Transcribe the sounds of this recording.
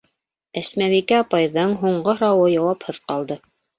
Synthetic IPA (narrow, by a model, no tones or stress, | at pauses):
æsmæβikæɑpɑjðɤɴɦuɴɢɤɾɑwɤjɑwɑphɤðqɑlˠd̪ɤ